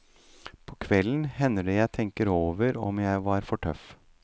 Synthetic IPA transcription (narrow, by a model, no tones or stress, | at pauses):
pʰɔːkʰʋɛlən̩hɛnːəɖəjæɪt̪ʰɛŋkəɾoːʋəɾɔ̰mjæɪʋɑɾfɔʈʰœf